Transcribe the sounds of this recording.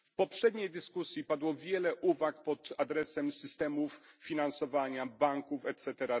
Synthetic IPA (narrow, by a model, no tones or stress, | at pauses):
fpɔpʂɛd̪ɲejd̪ɘskusʲjipad̪wɔvʲjɛlɛʔuvakpɔt̪ad̪ɾɛsɛmsɘst̪ɛmuf | fʲinansɔvaɲabaŋkufɛt̪sɛt̪ɛɾa